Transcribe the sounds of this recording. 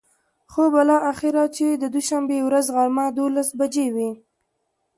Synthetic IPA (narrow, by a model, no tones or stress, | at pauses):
xobalɑʔaxɪɾɑt͡ʃed̪əd̪uʃambewɾazɣaɾmad̪olasbad͡ʒewi